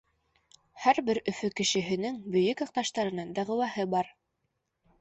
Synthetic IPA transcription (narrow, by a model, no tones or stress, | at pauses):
hæɾbɘɾɵ̆fɵkɘ̆ʃɘ̆ɦɘ̆nɘŋbɵ̆jɵkɑq̚t̪ɑʃt̪ɑɾɤ̆nɤɴd̪æʁɘ̆wæhɤbɑɾ